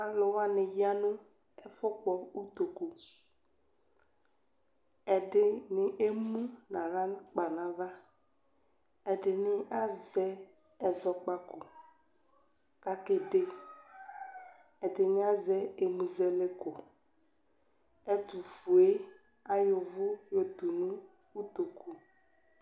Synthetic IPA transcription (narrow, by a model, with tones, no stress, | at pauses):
a˨lʊ˨wa˦nɪ˨ja˦nʊ̃˦ | ɛ˦fʊ˦k͡pɔ˨u˦t̪o˨ko˨ | ɛ˨dɪ˨nɪ˨ʔe˦mũ˦nã˨ɾa˦k͡pa˨na˨va˦ | ɛ˨dɪ˨nɪ˦ʔa˦zɛ˦ | ɛ˨zɔ˨k͡pa˦kʊ˨ | ka˦ke˨de˦ | ɛ˨dɪ˨nɪ˦a˦zɛ˦e˨mu˨zɛ˦le˦kʊ˨ | ɛ˦tu˨fu˨e˦ | a˦jʊ˨vʊ˦jo˨t̪u˨nʊ̃˦ | u˦t̪o˨ku˨